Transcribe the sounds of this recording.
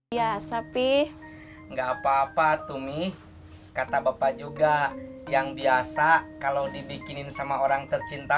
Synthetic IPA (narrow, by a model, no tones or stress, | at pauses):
iasapɛ | ŋɡaːpaːpat̪umih | kat̪abapad͡ʒuɡajaŋbiasakalodibikininsamaoɾaŋt̪ərt͡ʃint̪a